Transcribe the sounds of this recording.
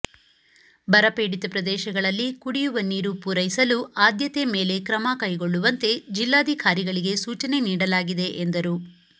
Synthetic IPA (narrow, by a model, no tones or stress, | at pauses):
bɐɾɐpeːɽit̪ɐpɾɐd̪ɛːʃɐɡɐɭɐlːikuɽijuʋɐniːɾupuɾɐjisɐluaːd̪jɐt̪eme̞ːle̞kɾɐmɐkɐjɡoɭːuʋɐnt̪e̞d͡ʒilːaːd̪ʱikaːɾiɡɐɭiɡe̞suːt͡ʃɐne̞niːɽɐlaːɡid̪e̞ʔend̪ɐɾu